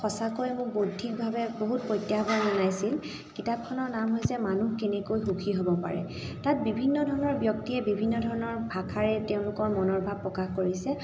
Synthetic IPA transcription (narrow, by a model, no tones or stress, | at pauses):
xɔsakojmʊkbodʱik̚bʱabɛboɦut̚pɹɔjtːjabɔzɔnajsil | kitap̚kʰɔnɔɹnamɦɔjsɛmanuhkenɛkojxuxʰiɦobɔpa̰ɹɛ̰ | tat̚bibʱinːɔdʱɔɹɔnɔɹbjɔk̚tiɛbibʱinːɔdʱɔɹɔnɔɹbʱakʰaɹɛteʊ̃lʊkɔɹmɔnɔɹbʱab̚pːɹɔkaxkoɹisɛ